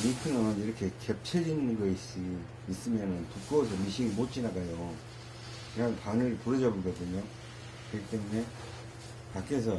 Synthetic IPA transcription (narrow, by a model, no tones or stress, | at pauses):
mikʰɯnɯniɾʌkʰe̞kep̚t͡ɕʰed͡ʑinɯnɡʌis͈i | is͈ɯmjʌnɯntuk͈os̬ʰʌmiɕʰiŋimot͡ɕ͈inaɡajo | kɯɾantanɯɭpuɾʌd͡ʑʌbok͈ʌdɯɲo | kɯɡit͈e̞mune̞ | pak͈es̬ʰʌ